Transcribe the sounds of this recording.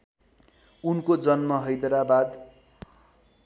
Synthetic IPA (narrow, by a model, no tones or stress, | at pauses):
unkod͡zʌnmʌɦʌjd̪ʌɾabad̪